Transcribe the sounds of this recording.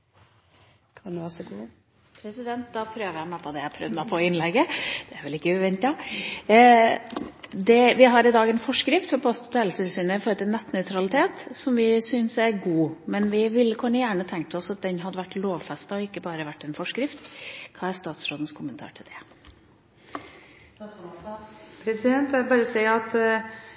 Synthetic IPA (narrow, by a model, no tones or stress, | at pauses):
kʰɑnd̪sɔɡuː | pʰɾɛsɪd̪ɛnt̪̚d̪ɑpʰɾøːʋəjæɪmæɪpʰɔd̪ɛjæpʰɾœ̰ʋd̪mæɪpʰɔɪnlɛɡːəd̪̥ɛæɾʋɛlɪkːəʉʋɛnt̪ɑ | d̪ɛʋɪɦɑɾɪd̪ɑːɡɛnfɔʂkɾɪft̪fɔɾpʰɔst̪ɔt̪ʰɛːlsɪlsʏnəɪfɔɾət̪ʰɪnɛt̪ːnœʏt̪ʰɾɑlɪt̪ʰeːt̪sɔmʋɪsʏnsæɾɡuːmɛnʋɪʋɪlːəkʰʉɳːəjæːɳət̪ʰɛŋkt̪əɔsɑt̪̚d̪ɛnɦɑd̪əʋæʈːloːʋfɛst̪ɑɔɪkːəbɑːɾəʋæʈːɛnfɔʂkɾɪft̪kʰɑːæɾst̪ɑːt̪sɾoːd̪n̩skʰʊmːənt̪ʰɑ̰ːʈʰɪld̪ɛ | pʰɛsɛnt̪ɛbɑːɾəsɛɪɑt̪